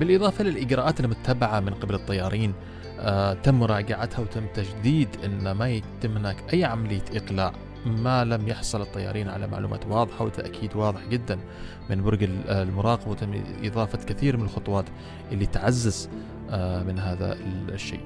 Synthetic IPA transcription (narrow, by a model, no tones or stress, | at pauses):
bɪlʔɨðˤɑːfɑlɪlʔɪd͡ʒɾˤɑːʔaːt̪ɪlmʊt̪ʰːabaʕamɪnqɪbalɨt̪ˤːɑjːɑːɾˤiːn | t̪amːɾˤɑːɡaʕat̪hawt̪amːt̪ad͡ʒd̪iːd̪ʔɪnːmajt̪ɪmːhɪnaːkʔajːʕamalɪjːaʔɪqla̰ːʕ | malamjɪħsˤɑlɨt̪ˤːɑjːɑ̰ːɾˤiːnʕa̰la̰ma̰ʕlṵːma̰ːt̪wɑːðˤɨħawɪt̪a̰ʔkʰiːd̪wɑːðˤɪħd͡ʒɪd̪ːan | mɪnbʊɾɡalmʊɾˤɑːqɑbawt̪amːʔɪ̰ðˤɑːfɑkaθiːɾmɪnɪlxʊt̪ˤwɑːt̪ | ʔɪlːit̪ʕazːaz | mɪnɦaːða̰ʃːḛː